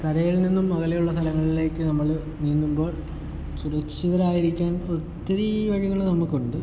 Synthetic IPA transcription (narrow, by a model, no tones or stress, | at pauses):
k̪ɐɾɐjilninːumːɐɣɐlejuɭːɐst̪ʰɐlɐŋːɐɭile̞ːkːɨnɐmːɐɭ | ninːumbo̞ːɭ | suɾɐkʂiðɐɾaːjiɾikʲːaːnot̪ːɐɾiʋɐɻiɣɐɭnɐmːɐɭkːoɳɖɨ